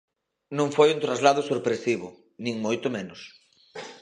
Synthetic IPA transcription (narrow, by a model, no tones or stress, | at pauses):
nõŋfojunt̪ɾazlað̞ʊsoɾpɾesiβʊ | nĩŋmojt̪ʊmenʊs